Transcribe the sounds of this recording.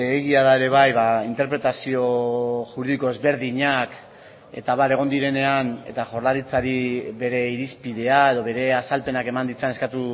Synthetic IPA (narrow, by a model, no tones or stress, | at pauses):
eɣiaðae̞ɾe̞β̞ajβaint̪e̞ɾpɾe̞t̪asio̞ʝuɾuðiko̞e̞zβe̞ɾðiɲak | e̞̰t̪aβ̞aɾe̞ɣ̞o̞nd̪iɾe̞ne̞ane̞̰t̪aʝo̞ɾðaɾit͡saɾiβe̞ɾe̞iɾispiðe̞ae̞ðoβ̞e̞ɾe̞asalpe̞nake̞mand̪it͡sanekat̪u